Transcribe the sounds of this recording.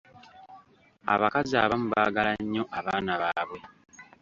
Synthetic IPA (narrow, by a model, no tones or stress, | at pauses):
a̰βakazia̰ːβamuβaːɡalaɲːo̞ʔaβaːnaβaːβwe̞